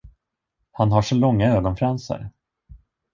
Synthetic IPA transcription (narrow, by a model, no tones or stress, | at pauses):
hanɦaʂɔlɔŋːaøːɡɔnfɾɛnsə̰ɾ